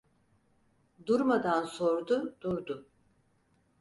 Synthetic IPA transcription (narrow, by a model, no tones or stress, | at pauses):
d̪uɾmad̪anso̞ɾd̪ud̪̥uɾd̪ʊ